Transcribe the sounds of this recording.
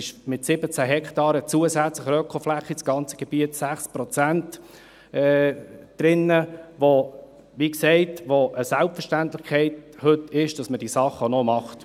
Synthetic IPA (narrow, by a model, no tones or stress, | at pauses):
ɪʃmɪtsɪbət͡sæɦɛkʰtɑːɾət͡suəsæt͡sləχɾœkʰɔlflæχːisɡ̥ɑnt͡sə̥ɡ̥ɛb̥iətsæχspɾɔt͡sænt | ɛd̥ɾɪnːəʋo | ʋiksɛɪtʋoʔəsælpfəʃtæntlɪχkʰɛɪthɵtɪʃd̥ɑsməd̥isɑχənɔmɑχt